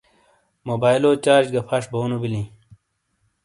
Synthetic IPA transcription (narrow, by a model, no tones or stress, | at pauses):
moːbaːiloːt͡ɕaːɾd͡ʑɡɐpʰɐʂboːnubilĩ